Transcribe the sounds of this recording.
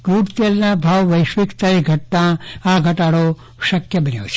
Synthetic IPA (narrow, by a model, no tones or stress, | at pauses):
ɡuʈt̪elnabʱaʋʋəjʃʋikt̪aiɡʱəʈ̚nãaɡʱəʈaɽo | ʃəkjəbənjo̰t͡ʃʰe̥